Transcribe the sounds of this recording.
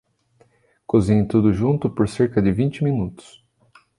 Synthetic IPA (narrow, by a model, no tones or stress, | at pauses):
kozĩɲɪt̪ud̪ʊʒũnt̪ʊpoɾseɾkɐd͡ʒɪvĩnt͡ʃɪminut̪ʊ̥s